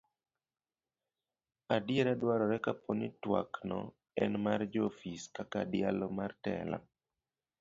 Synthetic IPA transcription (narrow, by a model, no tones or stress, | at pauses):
adɪeɾadwaɾɔɾɛkapʰonitwa̰knɔ̰ | ɛnmard͡ʒofiskakadɪalɔmartɛ̰la̰